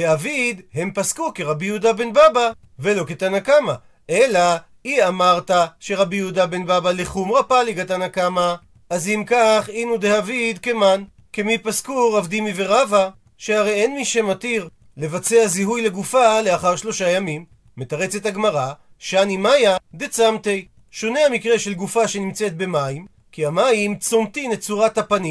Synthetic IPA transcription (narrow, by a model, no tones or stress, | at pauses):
deavid̪he̞mpaskukeʁabihud̪abe̞nbaba | ve̞lo̞ket̪anakama | ʔela | iamaʁt̪aʃe̞ʁabijud̪abenbabaleχumʁapaliɡat̪anakamaː | zimkaχinud̪eavid̪keman | kemipaskuʁavd̪imive̞ʁava | ʃehaʁe̞jenmiʃemat̪iʁ | le̞vat͡seaziɦujle̞ɡufale̞aχaʁʃlo̞ʃajamimː | e̞taʁe̞t͡set̪aɡmaʁa | ʃanimajad̪et͡samte̞j | ʃo̞ne̞amikʁe̞ʃe̞lɡufaʃe̞nimt͡set̪̚be̞maim | kiamaimt͡somt̪inet̚t͡suʁat̪hapani